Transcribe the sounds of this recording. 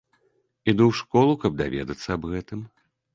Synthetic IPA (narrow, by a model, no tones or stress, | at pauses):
id̪uwʂkɔlˠukɐb̚d̪avʲɛ̰d̪ɐt̪sːɐɐbɣɛt̪ɨm